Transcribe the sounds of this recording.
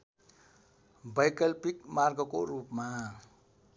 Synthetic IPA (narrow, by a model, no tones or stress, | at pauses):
bʌjkʌlpikmarɡʌkoɾupma